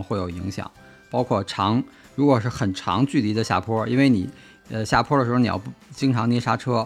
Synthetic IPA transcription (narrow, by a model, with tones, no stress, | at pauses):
xwe˥˩ɪjo˨˩ʊi˧˥ŋɕjɑ̰˨˩˦ŋ | pɑ˥ʊkʰwɔ˥˩ʈ͡ʂʰɑ˧˥ŋ | ɻu˧˥kwɔ˨˩ʂɻ̩˥˩xə˨˩nʈ͡ʂʰɑ̰˧˥ŋt͡ɕy˥˩t̪i˧˥d̪ə˧ɕja̰˥˩pʰwɔ˥i˥nwe˥˩ɪni˨˩˦ | ə˧ɕja˥˩pʰwɔ˥də˩ʂɻ̩˧˥˧ni˨˧jɑ̰˥˧˩t͡ɕi˥ŋʈ͡ʂʰɑ˧˥ŋnjɛ˥ʂa˥ʈ͡ʂʰɤ˥